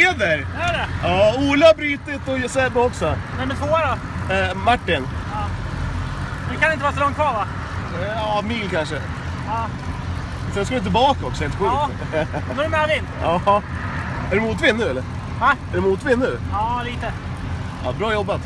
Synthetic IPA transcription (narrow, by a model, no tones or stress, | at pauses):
eːvəɾæɖɛjɑːuːlaabɾyːt̪ɪt̪ɔsɛːbəɔksɔnɛmɛt̪voːaɾɔ | maʈːɪnɑː | d̪kʰanɛɪnt̪əvɑɾsɔlɔŋt̪kʰvɑːɾva | ɑːmiːlkʰanʂə | ɑː | sɛnskaɾɪnt̪̬ɪlbɑːkaɔksɔɪnt̪əɧʉ | noɾmɛɔvɪnɑː | æɖɵmuːt̪vɪnːʉ̟ːɛlːəɾ | nɛæɖɵmuːt̪vɪnːʉ̟ːɑːliːt̪ə | ɑ̰ːbɾɑːjɔbːat̪